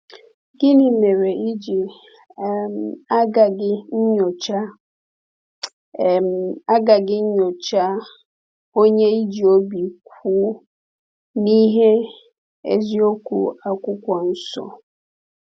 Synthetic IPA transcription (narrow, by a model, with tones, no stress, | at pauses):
ɡɪ˦ni˨me˨ɾe˨i˦d͡ʒi˨˦˨ | ma˦ɡa˨ɡɪ˦ɲ̩˦ɲo˨t͡ʃa˦˨ | ma˦ɡa˨ɡɪ˦ɲ̩˦ɲo˨t͡ʃa˦ | o˦ɲe˦i˦d͡ʒi˨o˦bi˨kʷʰuː˦ | ni˦ɦe˦ | ḛ˦zi˦o˦kʷṵ˨a˨kʷʊ˦kʷɔ˨n̩˦sɔ̰˨